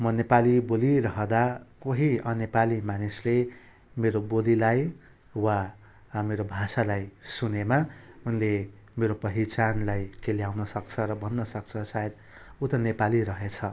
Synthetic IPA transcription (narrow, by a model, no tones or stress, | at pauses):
mʌnepalibolirʌɦʌd̪akoɦiʌnepalimanisle | meɾobolilaj | wa | meɾobʱasalajsunemaunle | meɾopʌɦit͡sanlajkeljawnʌsʌkt͡sʰʌɾʌbʌnːʌsʌkt͡sʰʌsajed̪ | ut̪ʌnepaliɾʌɦet͡sʰʌ